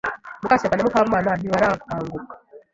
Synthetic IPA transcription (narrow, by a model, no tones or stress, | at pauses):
mukaʃaanamukaβumaːnaniwaɾaːŋɡaku̥haːŋɡukḁ